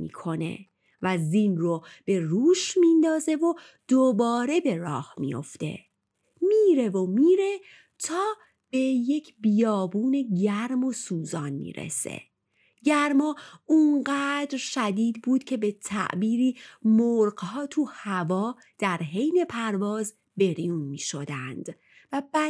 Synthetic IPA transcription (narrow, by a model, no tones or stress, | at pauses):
mḭːkʰo̞ne̞̰ | væzinrob̥e̞ruːʃmind̪ɒːze̞vo | d̪̥obɒːɾe̞be̞ɾɒ̰ːhmḭjo̞̰ft̪e̞̰ | miːɾevomiːɾe̞ | t̪ʰɒː | b̥e̞je̞cʰbijɒːbuːne̞ɟæɾmo̞suːzɒːnmḭːɾḛse̞̰ | ɟæɾmɒːuŋɢæːd̪ɾʃæd̪iːd̪buːd̪̥cʰe̞be̞t̪ʰæ̰ʔbiːɾiːmoɾɢhɒːt̪ʰuhævɒː | d̪̥æɾɦe̞jne̞pʰæɾvɒːz | be̞ɾijuːnmiːʃo̞d̪ænd̪̥ | væbæ